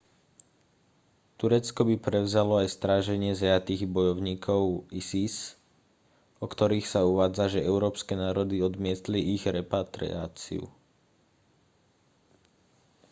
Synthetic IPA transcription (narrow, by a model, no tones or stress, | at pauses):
t̪uɾɛt͡skɔbipɾɛʊzalɔajst̪ɾaːʒɛɲɪɛzɛjat̪iːɣbɔjɔʊɲiːkʰɔʊisis | ɔkt̪ɔɾiːxsauʋaːd͡zaʒɛɛʊɾɔːpskɛnaːɾɔd̪iɔd̪mɪɛt̪liiɣɾɛpat̪ɾḭaːt͡sḭṵ